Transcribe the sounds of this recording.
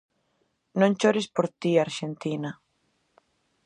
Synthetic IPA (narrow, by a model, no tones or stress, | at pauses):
nõnt͡ʃoɾespoɾt̪iaɾʃent̪ina